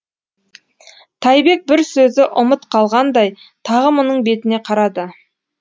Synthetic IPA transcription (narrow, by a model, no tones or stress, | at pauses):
t̪ʰɑjbe̞k̚bɪɾsɵzɪʔʊmət̪qʰɑlˠʁɑnd̪ɑj | t̪ʰɑʁəmonəɴbe̞t̪ɪne̞qʰɑɾɑd̪ə